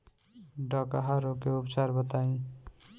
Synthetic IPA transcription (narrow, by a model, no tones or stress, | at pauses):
ɖɔkaɦaɾokeupt͡ʃaɾbət̪aĩ